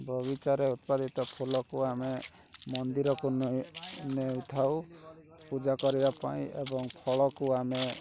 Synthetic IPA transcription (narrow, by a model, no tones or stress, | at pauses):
bʱɔɡit͡ʃaɾeut̪pad̪ʱit̪ɔpʰulɔkuame | mɔnd̪iɾɔkunnewt̪ʰawpud͡ʒakɔɾibapa̰ĩḛbɔŋpʰɔɭɔkuame